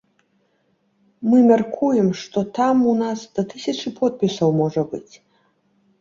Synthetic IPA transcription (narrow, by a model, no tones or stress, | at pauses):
mɨmʲarkʰujɛmʂt̪ɔt̪amunasd̪̥ɐt̪ɨsʲɐt͡ʂɨpʰɔt̪̚pʲisɐwmɔʐɐbɨ̰t͡sʲ